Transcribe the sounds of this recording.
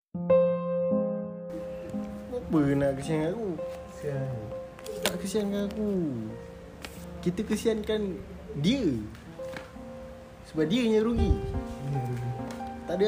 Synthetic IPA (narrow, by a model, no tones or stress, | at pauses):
mobənakəsianaku | t̪aʔkəsiankanaku | kit̪əkəsiankan | diə | səbap̚diəɲəɾuɡi | ɡit̪adə